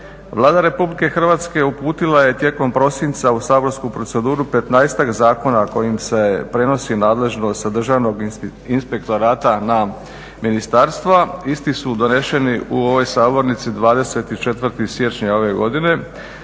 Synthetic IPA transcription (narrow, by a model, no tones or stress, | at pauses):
ʋlˠaːd̪aɾe̞publike̞xr̩ʋaːt̪ske̞upuːt̪ilaje̞t̪je̞ko̞mpɾo̞sint̪sausaːbo̞ɾskupɾo̞t̪se̞d̪uːɾupe̞t̪najst̪akzaːko̞nako̞jimse̞pɾe̞no̞sinaːd̪le̞ʒno̞st̪ad̪r̩ʒaʋno̞ɡ | inspe̞kt̪o̞ɾaːt̪ana | minist̪aːɾst̪ʋaist̪isud̪o̞ne̞ʃe̞niʔuo̞ʋo̞jsaːbo̞ɾnit̪sid̪ʋaːd̪e̞se̞t̪it͡ʃe̞t̪ʋəɾt̪isje̞t͡ʃɲao̞ʋe̞ɡo̞d̪ine̞